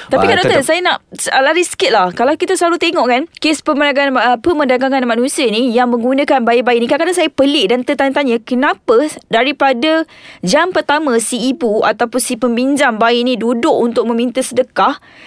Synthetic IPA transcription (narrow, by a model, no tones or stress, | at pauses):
t̪apikadoʔt̪ənsajanaʔsalaɾiskɪt̪̚lahkalawkit̪asəlaɾut̪eŋɔʔkankespəmənaɡnpəmədaɡaŋanmanũsiənijaŋmə̃ŋɡunə̃kanbaiʔbaiʔnĩkakadaŋsajapəlɪʔdant̪ət̪aɲət̪aɲəkənãpədaɾipadad͡ʒampərt̪amə̃siːbua̰t̪awpʊnsipəmbiɲd͡ʒaŋbaiʔnĩdudʊkunt̪ʊk̚mə̃mint̪əsədəkah